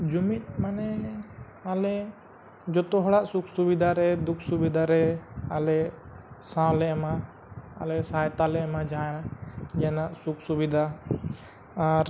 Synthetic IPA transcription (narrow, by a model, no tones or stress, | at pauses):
d͡ʒumit̪̚manɛ | alɛ | d͡ʒɔt̪ɔɦɔɽaʔsukʰsubid̪ʱaɾɛd̪ukʰsubid̪ʱaɾɛalɛsãlɛma̰ː | lɛsajt̪alɛmad͡ʒanad͡ʒɛnaʔsukʰsubid̪ʱa | ɾ